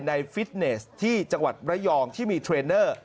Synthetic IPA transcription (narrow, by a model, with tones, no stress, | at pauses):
jna˧jfi˦˥t̪̚ne˦˥st̪ʰiː˥˩t͡ɕa˧ŋwa˨˩t̪̚pɾa˦˥jɔː˧ŋt̪ʰiː˥˩miː˧t̪ʰɾeː˧nɤː˥˩